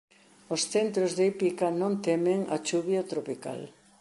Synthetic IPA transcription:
osθent̪ɾozðipikanõnt̪emeŋa̰t͡ʃuβjat̪ɾopika̰l

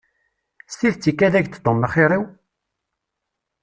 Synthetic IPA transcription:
st̪iðt͡sːikːæðæʝt̪t̪ːomːəχiɾˤiw

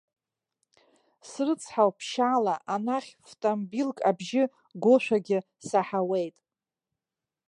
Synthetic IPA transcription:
srɨt͡sʰħawpʰʃalaʔanaχʲftʼombilkʼabʒɪ | ɡʷoʃʷᶣaɡʲɪ | saħawe̞jtʼ

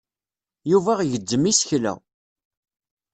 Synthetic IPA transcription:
juvæʁʝəd̪ːəmisçlæ̰

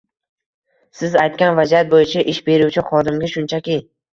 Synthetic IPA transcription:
sɪzajt̪̚kʲanvad͡ʒijat̪̚bojɪt͡ʃʰaʔɪʃbe̞ɾuwt͡ʃʰɪχɒd̪ɪmɡʲaʃʊnt͡ʃʰakʲi

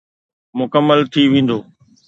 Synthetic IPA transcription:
mʊkəmːəlt̪ʰiʋẽːn̆d̪oː

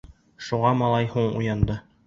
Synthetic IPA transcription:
ʃuʁɑmɑlˠɑjhuɴṵjɑnd̪ɤ

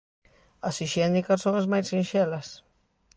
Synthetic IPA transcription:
asiʃenikassõŋazmajsʃĩnʃelɐs

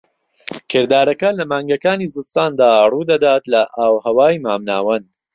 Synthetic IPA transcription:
kʰɨɾd̪aːɾɐkɐlɐmaːŋɡɐkaːnizɨlst̪aːnd̪aːruːd̪ɐd̪aːt̪lɐʔaːwhɐwaːjmaːmna̰ːwɐnd̪̥

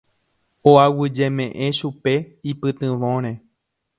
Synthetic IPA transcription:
oawɨd͡ʒe̞mẽ̞ʔẽʃupe̞ipɨt̪ɨ̃ʋõɾ̃ẽ

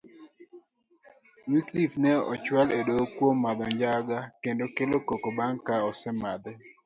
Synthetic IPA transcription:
wiklifnɛɔ̰t͡ʃwaledokwomːad̪ɔɲd͡ʒaɡakendokelokokobaŋkaɔsɛmad̪ɛ

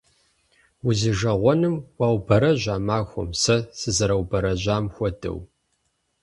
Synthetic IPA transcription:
wʊziʒɐʁʷɔnɨmwawbɐɾɐʑʷaːmaːxʷɔ̰msɐsɨzɐɾɐwbɐɾɐʑaːmxʷɔdɐ̰w

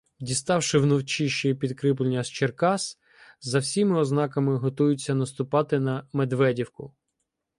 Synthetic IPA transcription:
dʲist̪ɑwʃɪwnɔwt͡ʃiʃipʲid̪kɾɪp̬lenʲːɐst͡ʃerkɑs | zɐwsʲimɪɔznɑkɐmɪɦɔt̪ujʊt͡sʲːɐnɐst̪ʊpɑt̪ɪnɐmed̪ʋɛdʲiwkʊ

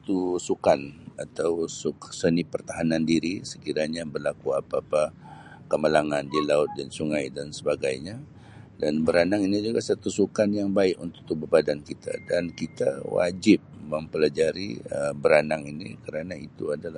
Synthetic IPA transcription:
at̪usukanat̪awsuksənipərt̪aɦanandiɾisə̥kiɾaɲabərlakuapaːpakəməlaŋandilaʊt̪̚dansuŋajdansəbaɡajɲa | danbəɾanaŋinid͡ʒuɡasat̪usukanjaŋbaɪkṵnt̪ʊk̚t̪ubəbadankit̪ʰa̰dankit̪a̰wa̰d͡ʒɪp̚məmpəlad͡ʒaɾiəbəɾanaŋinikəɾanait̪uadala

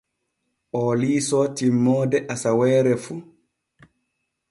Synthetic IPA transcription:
ʔɔliːsɔtimːɔːdɛʔasawɛːɾɛfu

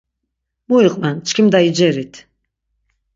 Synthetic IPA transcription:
mujiqʼmant͡ʃʰkʲʰimd̪aid͡ʒɛɾit̪ʰ

